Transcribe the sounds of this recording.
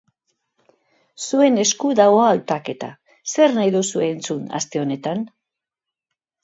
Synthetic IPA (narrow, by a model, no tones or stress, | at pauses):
sue̞ne̞skuðaɣoaːlt̪ake̞t̪a̰ | se̞ɾnajðusue̞ːnt͡suna̰st̪e̞o̞ne̞t̪an